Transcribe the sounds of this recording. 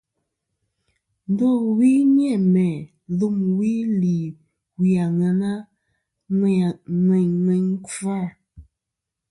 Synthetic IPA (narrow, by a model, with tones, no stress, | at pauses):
n̩˦dɔ˦˨wi˦njɛ˦˨mɛ˨ | ðu˦˨mwi˦li˨ | wi˨a˨ŋa˨na˦˨ | ŋɛ˨ɲnɛ˨˦ŋ̩˦ka˦˨